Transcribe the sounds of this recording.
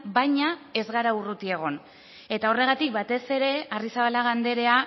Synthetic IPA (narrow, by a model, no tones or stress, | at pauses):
bajɲae̞zɣaɾaurut̪ie̞ɣ̞o̞n | e̞t̪ao̞re̞ɣ̞at̪ik̚bat̪e̞se̞ɾe̞arisaβalaɣ̞and̪e̞ɾe̞a